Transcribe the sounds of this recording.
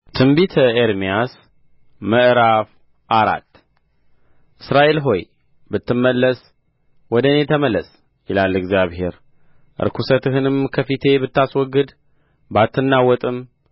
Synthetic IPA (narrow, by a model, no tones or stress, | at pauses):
t̪ʰɨmbit̪ʰəeɾmijas | məʔɾaf | ʔaɾa̰t̪ː | ʔɨsɾaʔe̞lɦo̞j | bɨt̪ʰːɨmːəlːəs | wɔd̪ənet̪ʰəməlːəs | jɪlalːɨɡzjaβhe̞̰ɾ | ʔɨ̰ɾkʰusət̪ɨɦɨnɨmkʰəfit̪ʰe̞bɨt̪ːaswɔɡɨd̪ | bat̪ːɨnːawɔt̪ʼɨm